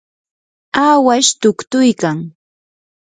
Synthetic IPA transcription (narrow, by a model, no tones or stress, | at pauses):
aːwaʃt̪ʊkt̪ʊjkaŋ